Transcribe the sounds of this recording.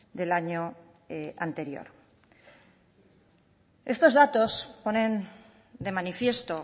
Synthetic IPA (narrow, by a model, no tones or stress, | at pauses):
d̪e̞laɲo | ant̪e̞ɾjo̰ɾ | e̞st̪o̞zðat̪o̞spo̞ne̞n | d̪e̞manifje̞st̪o̞